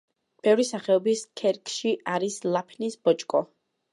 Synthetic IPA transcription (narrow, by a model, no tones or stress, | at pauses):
b̥ɛvɾisaχɛɔbiskʰɛɾkʰʼʃiʔaɾislˠapʰnisbɔt͡ʃʼkʼɔ